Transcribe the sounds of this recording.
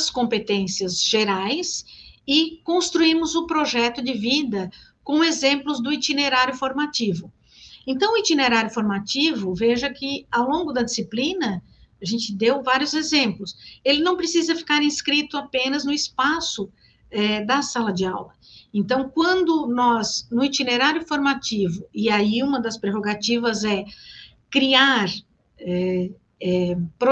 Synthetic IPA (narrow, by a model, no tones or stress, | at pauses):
skõmpet̪ẽsiɐzʒeɾajsɪkõst̪ɾuiɾmʊzʊpɾoʒɛt̪ʊd͡ʒɪvid̪ɐkõezẽmplʊzd̪ʊit͡ʃ̪ineɾaɾjʊfoɾmat͡ʃivʊ | ẽnt̪ɐ̃w̃ʊit͡ʃ̪ineɾaɾjʊfoɾmat͡ʃivʊveʒɐkɪawlõɡʊd̪ɐd͡ʒisiplĩnɐ | aʒẽnt͡ʃɪd̪ewvaɾjʊzezẽmplʊselɪnɐ̃w̃pɾesizɐfi̥kaɾĩskɾit̪ʊapẽnɐznʊispasʊ | ɛd̪ɐsalɐd͡ʒɪawlɐ | ẽnt̪ɐ̃w̃kwɐ̃nd̪ʊnɔznʊit͡ʃineɾaɾjʊfoɾmat͡ʃivʊɪaiũmɐd̪ɐspɾeɦoɡat͡ʃivɐzɛ | kɾiaɾ | ɛ | ɛpɾo